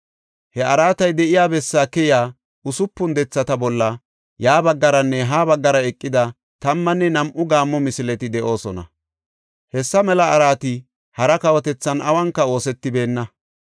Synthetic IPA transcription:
hɛʔɐɾaːt̪ɐjd̪ɛʔɪjaːbɛsːaːkɛjaː | ʊsʊpːʊnd̪ɛt͡sːɐt̪ɐbɔlːɐ | jaːbɐɡːɐɾɐnːɛɦaːbɐɡːɐɾɐɛkʼːɪd̪ɐ | t̪ɐmːɐnːɛnɐmʔʊɡaːmːɔmɪsɪlɛt̪ɪd̪ɛʔo̞ːsɔnɐ̰ | hɛsːɐmɛlɐːɾaːt̪ɪ | hɐɾɐkɐwɔt̪ɛt͡sːɐnɐwɐŋkːɐo̞ːsɛt̪ːɪbe̞ːnːɐ

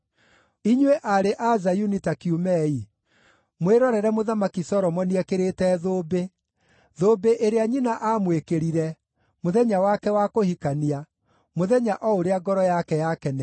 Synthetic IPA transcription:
iɲweʔaɾeʔazajunitakiumɛi | mweɾɔɾɛɾɛmoðamakisɔɾɔmɔniɛkeɾetɛːðoːbe | ðoːbeʔeɾeaɲinaʔamwekeɾiɾɛ | moðɛɲawakɛwakohikania | moðɛɲaʔɔoɾeaɡɔɾɔjakɛjakɛnɛ

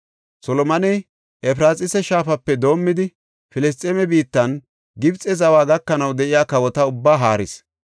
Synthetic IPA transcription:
sɔlɔmɐnɛj | ʔɛp̬ɾaːsʼɪsɛʃaːfɐpːɛd̪o̞ːmːɪd̪ɪ | fɪlɛs̬t̪ʼɛmɛbiːt̪ːɐn | ɡɪbt͡sʼɛzɐwaːɡɐkːɐnɐwd̪ɛʔɪjaːkɐwɔt̪ɐʊbːaːɦaːɾɪ̰s

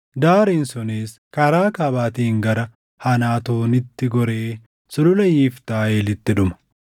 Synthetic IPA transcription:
d̪aːɾiːnsɔneːs | kɐɾaːkɐbaːt̪iːŋɡɐɾɐ | hɐnaːt̪uːnɪt̪ːɪɡɔɾeː | sʊlʊlɐjiːft̪aːeːlɪt̪ːɪᶑʊmɐ̥

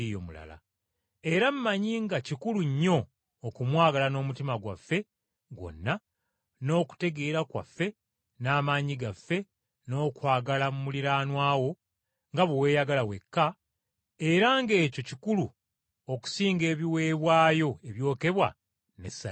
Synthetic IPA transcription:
ijomula̰la̰ | e̞ɾam̩maɲiŋɡacikuluɲːo̞ː | kumwaːɡalano̞ːmutimaɡwa̰fːe̞ | ɡo̞̰nːa | no̞ːku̥te̞ɡe̞ːɾakwa̰fːe̞ | naːmaːɲiɡafːe̞ | no̞ːkwaːɡalamumuliɾaːnwaːwo̞ | ŋɡaβowe̞ːjaɡalawe̞kːa | e̞ɾaŋɡe̞ːco̞cikulu | o̞ku̥siːŋɡe̞ːβiwe̞ːβwaːjo̞e̞βjo̞ːke̞βwa | nesa

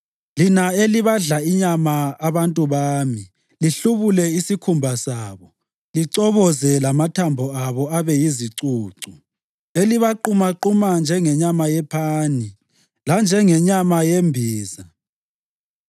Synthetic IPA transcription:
linaeliβaɮaiɲamaːβantʼuβaːmi | liɬuβulɛisikʰumbʱasaːβɔ | liǀɔβɔzɛlamatʰambʱɔaβɔaβɛjiziǀuːǀu | eliβaǃumaǃumand͡ʒʱɛŋɛɲamajɛpʰaːni | land͡ʒʱɛŋɛɲamajembʱiːza

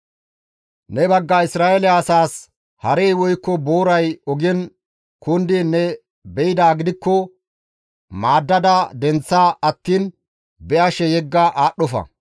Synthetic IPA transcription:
nɛbɐɡːɐɪsɾaːʔɛlɛɐsaːs | hɐɾejwɔjkːɔboːɾɐjɔɡɛn | kʊnd̪ɪnːɛ | bɛɪd̪aːɡɪd̪ɪkːɔ | maːd̪ːɐd̪ɐd̪ɛnt͡sːaːɐt̪ːiːn | bɛʔɐʃɛjɛɡːɐʔaːɗːɔfɐ̰

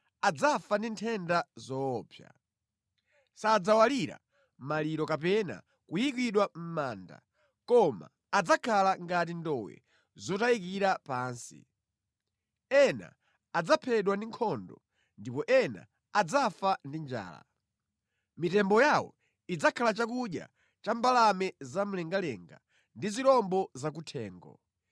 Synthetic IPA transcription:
ad͡zafandintʰɛndazɔːpʰja̰ | sad͡zawaliɾa̰ | maliɾɔkap̬ɛna̰ | kujikwiɗwam̩maːnda̰ | kɔma̰ːd͡zakʰalaŋɡat̬indɔwɛ̰ | zɔtajik̬iɾapaːnsḭ | ɛna̰ː | d͡zapʰɛɗwandiŋkʰɔndɔ̰ | ndipɔʔɛna̰ | ad͡zafandind͡ʒa̰ːla̰ | mitɛmbɔjawɔ̰ | id͡zakʰalat͡ʃakuɗja̰ | t͡ʃambalamɛzam̩lɛŋɡalɛŋɡa̰ | ndizilɔmbɔzak̬utʰɛːŋɡɔ̰

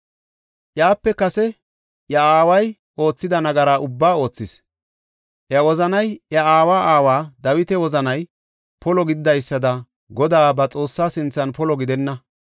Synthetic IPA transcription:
ʔjaːpːɛkɐsɛ | jɐaːwɐj | ʔo̞ːt͡sːɪd̪ɐnɐɡɐɾaːʔʊbːaːo̞ːt͡sːɪs | ʔjɐwɔzɐnɐjjɐaːwaːʔaːwaːd̪ɐwɪt̪ɛwɔzɐnɐj | pɔlɔɡɪd̪ɪd̪ɐjsːɐd̪ɐ | ɡɔd̪aːbɐt͡sʼo̞ːsːaːsɪnt͡sːɐnpɔlɔɡɪd̪ɛnːɐ

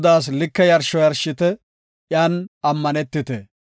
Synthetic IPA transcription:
d̪aːs̬lɪkːɛjɐɾʃɔjɐɾʃɪt̪ɛ | ʔjaːnɐmːɐnɛt̪ːɪt̪ɛ

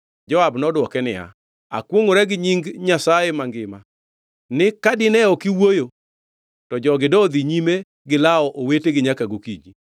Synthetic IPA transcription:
d͡ʒɔabnɔdwɔkɛnɪja̰ | a̰kwoŋoɾɛɡɪɲiŋɡɲasajemaŋɡɪma | nɪkadɪnɛɔkɪwojo | tɔd͡ʒɔɡɪdɔd̪iɲime | ɡɪlaɔʔoweteɡɪɲakaɡokid͡ʒi

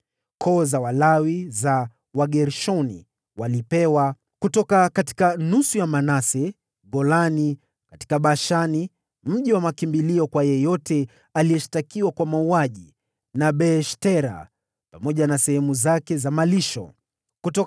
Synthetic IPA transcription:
kʰɔzawalawiza | waɠɛɾʃɔnḭ | walipɛwa | kutɔkakati̥kanusujamanasɛ | ɠɔlani | kati̥kaɓaʃani | m̩ʄiwamakimbiliɔkwajɛjɔtɛ | alijɛʃi̥takiwakwamauaʄi | naɓɛʃtɛɾa̰ | pamɔʄanasɛhɛmuzakɛzamaliʃɔ̰ | kutɔ

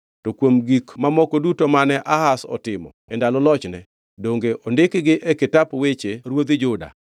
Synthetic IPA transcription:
tɔkwomɡikmamɔkɔdutomanɛʔahasɔ̰tɪmɔ̰ | ɛndalɔlɔt͡ʃnɛ̰ | doŋɡeʔondɪkɡɪʔɛkɪtapwet͡ʃeɾwod̪ɪd͡ʒʊda̰

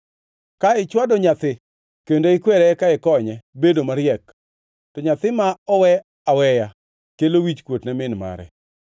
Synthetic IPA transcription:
kaɪt͡ʃwadɔɲat̪ɪ | kendoɪkwɛɾɛkaɪkɔɲɛbedomaɾjɛk | tɔɲat̪ɪmaɔwɛ | awɛja | kelowit͡ʃkwotnamɪnma̰ɾɛ̰

